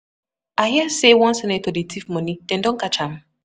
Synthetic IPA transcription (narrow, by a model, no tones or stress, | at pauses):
ahiasewɔ̃nsɛnɛtodetʰifmɔnid̥ɛ̃ndɔ̃nkat͡ʃãm